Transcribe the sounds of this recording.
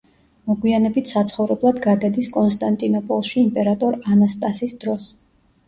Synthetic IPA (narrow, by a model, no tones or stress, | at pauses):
mɔɡwianɛbit̪ʰsat̪sʰχɔvɾɛblˠad̪ɡad̪ad̪iskʼɔnst̪ʼant̪ʼinɔpʼɔlˠʃiːmpʼɛɾat̪ʼɔɾanast̪ʼasisd̪ɾɔs